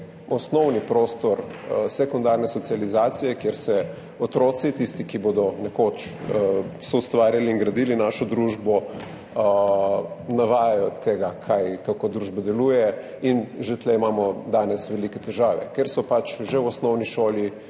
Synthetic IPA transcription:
ɔsnɔwnipɾoːst̪ɔɾsɛkund̪aːɾnɛsɔt̪sializaːt̪sijɛkjeɾsɛ | ɔt̪ɾoːt̪sit̪ist̪ikiboːd̪ɔnɛkoːt͡ʃ | sɔust̪ʋaːɾjaliːŋɡɾɐd̪ilinaːʃɔd̪ɾuːʒbɔ | naʋaːjajɔt̪eɡakʰajkakoːd̪ɾuːʒbad̪ɛlujɛ | inʒet̪lɛimaːmɔd̪aːnɛsʋɛlikɛt̪ɛʒaːʋɛ̰kɛɾsɔpat͡ʃʒewɔsnɔwniʃoːlji

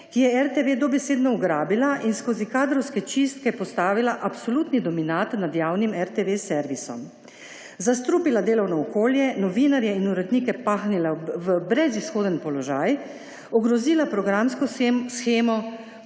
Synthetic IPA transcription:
kijɛɛɾt̪eʋeːd̪ɔbɛseːd̪nɔuɡɾaːbilaʔinskoːzikaːd̪ɾɔwskɛt͡ʃist̪̚kɛpɔst̪aːʋilaʔapsolut̪nid̪ɔminat̪nad̪jaːwnimɛɾt̪eʋesɛɾʋisɔ̰m | zast̪ɾuːpilad̪eːlɔwnɔːkoːljɛnɔʋiːnaɾjɛinuɾɛd̪niːkɛpaːxnilaʋəbɾɛzisxoːd̪ənpɔlɔʒaj | ɔɡɾɔziːlapɾɔɡɾamskɔsxeːmɔ

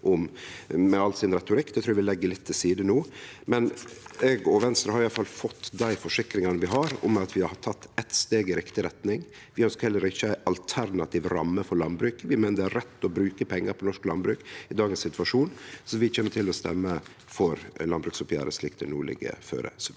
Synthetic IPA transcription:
ʔɔmmɛɑlsɪnɾɛt̪ʊɾɪkːd̪ɛt̪ʰɾuːɾæʋɪlɛɡːəlɪt̪ʰːɪsiːd̪ənuːmɛnɛɡɔʋɛnst̪ɾəhɑɾɪɑlfɑlfɔt̪ːd̪æɪfɔʂɪkɾɪŋɑnəʋɪɦɑɾɔ̰mːɛɑt̪ʋɪhɑt̪ʰɑt̪ːɛt̪st̪eːɡɪɾɪkt̪ɪɾɛt̪nɪŋ | ʋɪœnskhɛlːəɾɪçːəæɪʔɑlt̪ʰæɾnɑt̪ʰiːʋɾɑmːəfɔɾlɑnbɾʉːkəʋɪmænəd̪ɛæɾɾɛt̪ːɔbɾʉːkəpʰɛŋːəɾpʰɔnɔʂklɑnbɾʉːkɪd̪ɑːɡənsɪt̪ʋɑʂuːnsɔʋɪt͡ʃeːnːəʈʰɪlːɔst̪ɛmːə | fɔɾlɑnbɾʉːksʊpjæ̰ːɾəslɪkt̪ʰənuːɭɪ̰ɡə̰fø̰ːɾə̰s

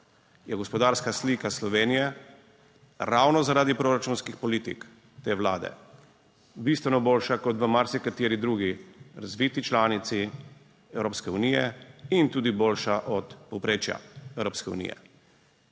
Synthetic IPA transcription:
jɛɡɔspɔd̪aːɾskasliːkaslɔʋeːnijɛ | ɾawnɔzaɾaːd̪ipɾoɾat͡ʃuːnskixpɔliːt̪ḭk | t̪eːʋla̰ːd̪ɛ̰ | bist̪ʋɛnɔboːlʃakɔt̪ʋəmaɾsikat̪iːɾid̪ɾuːɡiɾazʋiːt̪it͡ʃlaːnit̪si | ɛwɾoːpskɛunijɛint̪uːd̪iboːlʃaʔɔt̪pɔwpɾeːt͡ʃja̰ɛwɾoːpskɛṵnḭjɛ̰

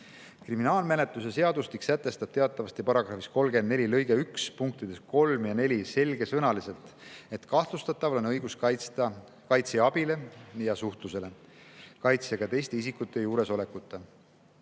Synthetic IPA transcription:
kriminɑːlmene̞t̪lusese̞ɑd̪̥ust̪iksæt̪ːˑe̞st̪ɑb̥t̪e̞ɑt̪ːˑɑvɑst̪jipɑɾɑɡ̥ɾɑfisko̞lɡend̪ne̞lʲilɤjɡ̥eykspuŋk̚t̪id̪̥e̞sko̞lmjɑne̞lʲise̞lʲɡ̥e̞sɤnɑlise̞lt̪e̞t̪kɑht̪lust̪ɑt̪ːˑɑvlo̞nɤjɡ̥uskɑɑ | kɑjt̪seɑb̥ile̞jɑsuht̪luse̞le̞ | kɑjt̪seɡ̥ɑt̪e̞jst̪e̞isikːˑut̪ːˑe̞juːɾe̞so̞le̞kˑut̪ːˑe

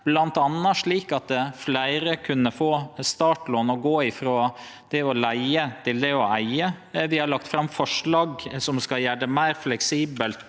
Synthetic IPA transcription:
b̥lɑnt̪ɑnːɑʂɭiːkɑt̪̚əflæɪɾəkʰʉnːəfoːst̪ɑːʈloːnɔɡoːɪfɾoː | d̪̥ɛɔlæɪət̪ʰɪld̪ɛɔæɪəʋɪhɑɭɑkt̪fɾɑmfɔʂɭɑːɡsɔmskɑjæːɖəmæɪɾflɛksiːbəlt̪

